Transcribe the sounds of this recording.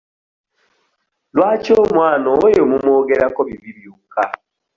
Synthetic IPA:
lwaːt͡ʃomwaːnɔːjomumoɡɛɾakɔβiβiβjuka

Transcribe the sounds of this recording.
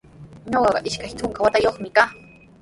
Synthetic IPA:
ɲoɢɑɢɑ̰ʔɪʃkajt̪ʰʊŋkawat̪ajoχmɪkaː

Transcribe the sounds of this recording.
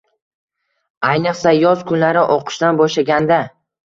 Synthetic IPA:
ajnɨqsajɒzkʰʊnlaɾɪʔoqʰɨ̥ʃd̪anbɒʃlaɡʲand̪a

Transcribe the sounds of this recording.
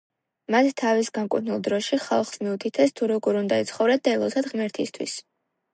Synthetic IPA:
mat̪ʰt̪ʰːavisɡaŋkʼṵɾnilˠd̪ɾɔʃiχa̰lˠχsmiut̪ʰit̪ʰɛst̪ʰuɾɔɡɔɾund̪ait̪sʰχɔvɾɛd̪aɛlˠɔzad̪ʁmɛɾt̪ʰist̪ʰwḭs

